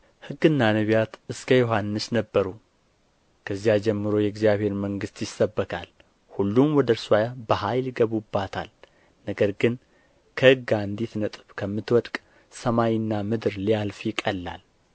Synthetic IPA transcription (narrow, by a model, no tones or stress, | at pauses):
hɨɡːɨnːanəβijat̪ɨskʰəjoɦanːɨsnəbːəɾu | kʰəzːijad͡ʒɛmːɨɾojɛɡzijaβhe̞ɾməŋɡɨst̪jɪsːəbːəkʰa̰l | hulːumwɔd̪əɾswajabəhajljiɡəβubːat̪ʰa̰l | nəɡəɾɡɨn | kʰəhɨɡand̪it̪nət̪ʼɨβkʰəmːɨt̪wɔd̪kʼ | səmajɪnːamɨd̪ɨɾlijalfjɪkʼːəlːa̰l